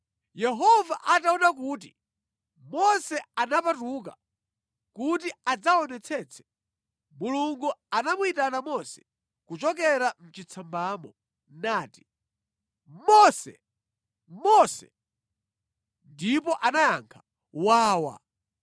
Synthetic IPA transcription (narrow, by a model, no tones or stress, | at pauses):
jɛɦɔvaʔataɔnak̬uːt̬i | mɔsɛanapatuk̬a̰ | kutiad͡zaɔnɛt͡sʰɛt͡sʰɛ̥ | muluŋɡuanamwitanamɔsɛ̥ | kut͡ʃɔk̬ɛɾam̩t͡ʃit͡sʰambaːmɔ | naːti̥ | mɔsɛ̰ | mɔsɛ̰ | ndip̬ɔʔanaja̰ŋkʰḁ | waːwa̰